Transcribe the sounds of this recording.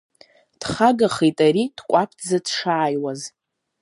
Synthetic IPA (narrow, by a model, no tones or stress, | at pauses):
d̥χaɡaχejtʼaɾidkʷʼapʰd͡zadʂaːjwaz